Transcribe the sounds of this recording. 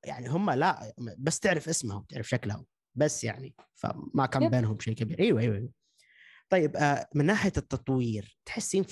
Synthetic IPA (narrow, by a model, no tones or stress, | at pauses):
ja̰ʕniɦʊmːalaʔbasːt̪ɪʕɾɪfʔɪsmahʊt̪ɪʕɾɪfʃaklahṵ | basːjaʕnifa̰makaːmbeːnɦʊmbʃeːʔkabiːɾʔiːwaʔejːwaʔewa | t̪ˤɑjːɪbmɪnːaːħjat̪ːɑt̪ˤwiːɾt̪ħɪsːiːn